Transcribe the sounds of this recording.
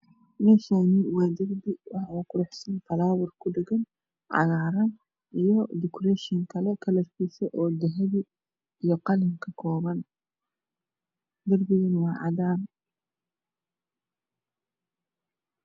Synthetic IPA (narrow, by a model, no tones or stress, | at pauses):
mɛʃaːnɪwɑːd̪ɐrbɪwɑħʊkʰʊɾɛħsɐnt̪ʰɐlaːwʊrkʰʊdɛɡɐn | ʕɑ̰ɣaːɾɐn | ʔijɔd̪ɪkʰrɛʃɪŋkʰɐlɛkʰɐlɐrkʰiːsɛʔɔːd̪ɐɦɐβɪ | ijɔqɑlɪŋkʰɐkʰɔːβɐn | d̪ɐrbɪɣɐnwɑːʕɑdaːn